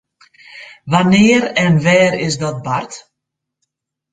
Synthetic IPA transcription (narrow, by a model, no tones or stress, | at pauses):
ʋanɪəɾɛnʋɛːɾɪzdɔt̚bart